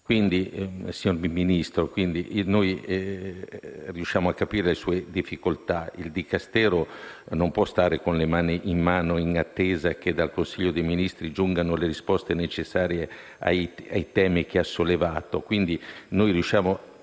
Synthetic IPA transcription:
kwind̪isiɲormminist̪ɾokwind̪iʔnoj | riuʃːjaːmoakːapiːɾelesuːed̪ifːikolt̪aild̪ikast̪ɛːɾonompwɔst̪aːɾekonlemaːniʔimːaːnoinat̪ːeːzak̟ed̪alkonsiʎːod̪ejminist̪ɾid͡ʒuŋɡanoleɾispɔst̪enet͡ʃesːaːɾje | a̰ja̰jt̪ɛːmikeasːolːevaːt̪okwind̪inojriuʃːjaːmo

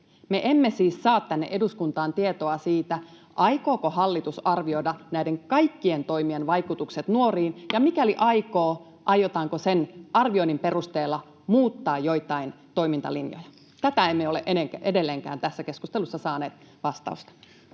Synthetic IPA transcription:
meʔemːesiːsːɑːt̪t̪ænːḛʔe̞duskunt̪ɑːnt̪iet̪oɑsiːt̪æ | ʔɑikoːkohɑlːit̪usɑrʋioidɑnæideŋkɑikːient̪o̞imienʋɑikut̪ukset̪nuoriːnjɑmikæliʔɑikoː | ʔɑjot̪ɑːŋkosenʔɑrʋioinimperust̪eːlːɑ | muːt̪ːɑːjjoit̪ɑin | t̪o̞imint̪ɑ̰linjo̰jɑ | t̪æt̪æemːeoleʔeneŋkæʔedelːeŋkæ̰ːnt̪æsːæke̞skust̪elusːɑsɑːneːt̪ | ʋɑst̪ɑ̰ust̪ɑ̥

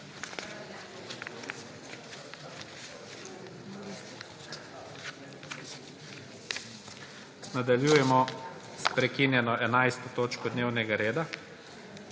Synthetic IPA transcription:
nad̪aljuːjɛmɔ | spɾɛkinjɛnɔʔɛnajst̪ɔt̪oːt͡ʃkɔd̪neːwnɛɡaɾeːd̪a

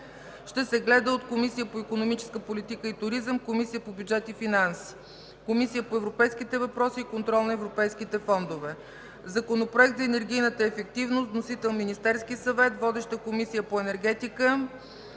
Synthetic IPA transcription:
ʃt̪ɛsɛɡlɛd̪əot̪komisijəpoikonomit͡ʃɛ̥skəpolit̪ikəit̪ʊɾizəmkomisijəpobʲjudd͡ʒɛt̪ifinansi̥ | komisijəpoɛvɾopɛjsk̟it̪ɛvɐpɾɔsiːkont̪ɾɔlˠnɐɛvɾopɛjsk̟it̪ɛfɔnd̪ovɛ | zɐkonopɾoɛk̚t̪zɐɛnɛɾɡʲijnət̪əɛfɛk̚t̪ivnost̪nosit̪ɛlˠminist̪ɛɾskisɐvɛt̪vɔd̪ɛʃt̪əkomisijəpoɛnɛɾɡ̟ɛt̪ikə

